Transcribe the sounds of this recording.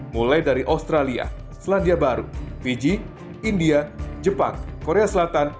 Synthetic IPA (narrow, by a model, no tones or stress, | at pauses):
mulajdaɾiʔast̪ɾalia̰ | səlandiabaɾufid͡ʒi | indiad͡ʒəpa̰ŋkoɾeasəlat̪an